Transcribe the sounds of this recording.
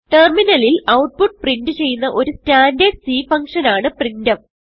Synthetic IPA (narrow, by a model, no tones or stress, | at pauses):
ʈerminɐlilɐwʈ̚puʈ̚prindɨt͡ɕe̞jːunːɐʔo̞ɾustaːndeːɖsiːfɐŋkʂɐnaːɳɨprindɐm